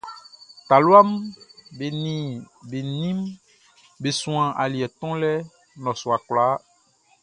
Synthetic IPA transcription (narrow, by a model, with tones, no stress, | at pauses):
t̪a˨lwa˦mbe˨nĩ˨ | be˨nĩ˦m | be˨sũ˨ã˨ʔa˨li˨ɛ˨t̪ɔ̃˦lɛ˦ | nɔ̃˨su˨a˨kla˨˦